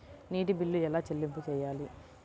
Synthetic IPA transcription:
niːʈibilːuɛlaːt͡ʃelːimput͡ʃɛːjaːli

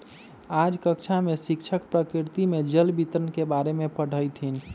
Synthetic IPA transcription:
ad͡ʒkəkt͡ʃʰamesikt͡ʃʰəkpɾəkɾiɾt̪imed͡ʒəlbit̪əɾənkebaɾemepəɽ̤ʱəjt̪ʰin

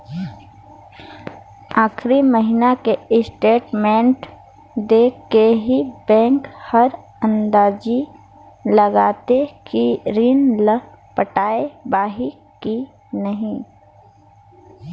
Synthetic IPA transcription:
aːxɾiməɦɪnakeɪsʈeːʈmɛ̃ːɳʈ | d̪eːkeɦibɛ̃ːŋkhəɾ | ɐ̃nd̪aːd͡ʒi | lɐɡaːt̪ekiɾiːnl | pəʈaːebaːɦi | ki | nɐɦĩ

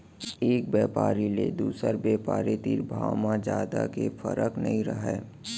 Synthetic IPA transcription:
eːk̚bjɛːpaːɾiled̪uːsəɾbeːpaːɾet̪iːɾbʱaːʋmãd͡ʒaːd̪a̰kefəɾəknɐ̰ɦĩɾəɦɛː

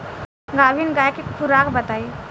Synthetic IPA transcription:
ɡaːʋinɡaːjkekʰuɾaːkbɐt̪aːi

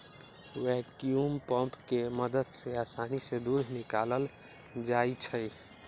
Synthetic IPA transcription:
wɛkjumpəmpkeməd̪əd̪seaːsanised̪uɾnikaləl | d͡ʒait͡ʃʰəj

